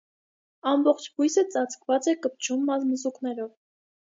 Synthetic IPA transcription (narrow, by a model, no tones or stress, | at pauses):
ɑmbɔχt͡ʃʰbujsət͡sɑt͡skvɑt͡sɛkəp̚t͡ʃʰumːɑzməzuknɛɾɔv